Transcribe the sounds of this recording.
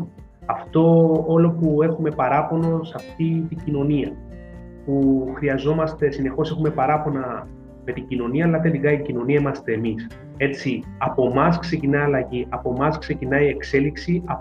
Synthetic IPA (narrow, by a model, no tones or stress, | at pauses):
ɐft̪o̞olo̞pue̞xume̞pɐɾɐpo̞no̞sɐft̪it̪iɟino̞niɐ | puxɾiɐzo̞mɐst̪e̞sine̞xo̞se̞xume̞pɐɾɐpo̞nɐ | me̞t̪iɟino̞niɐːlɐðeiɡɐjɟino̞niɐimɐst̪e̞ːmis | e̞t͡siɐpo̞mɐskse̞cinɐiɐlɐʝiʔɐpo̞mɐskse̞cinɐie̞kse̞liksiɐ